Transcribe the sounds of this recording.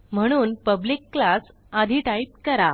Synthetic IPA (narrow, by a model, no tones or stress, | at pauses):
m̤əɽ̃uːnpəblikːlas | ad̪ʱiʈait̪̚kəɾa